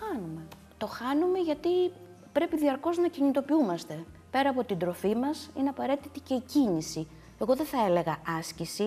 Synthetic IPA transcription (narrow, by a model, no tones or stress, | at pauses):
xɐnume̞ | t̪o̞xɐnume̞ʝɐt̪i | pɾe̞piðiɐɾko̞znɐciɲit̪o̞piumɐst̪e̞ | pe̞ɾɐːpo̞t̪ind̪ɾo̞fimɐsḭneɐpɐɾe̞t̪it̪ice̞icinisi | e̞ɣo̞ðeθɐe̞le̞ɣɐɐscisi